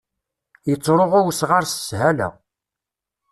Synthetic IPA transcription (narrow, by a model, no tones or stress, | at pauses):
jət͡sˤːɾˤoʁawsʁaɾsə̥shælæ̰